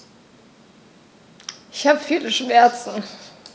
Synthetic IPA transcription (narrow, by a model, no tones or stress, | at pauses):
ʔɪçhaːbəfiːləʃmɛɐt͡sn̩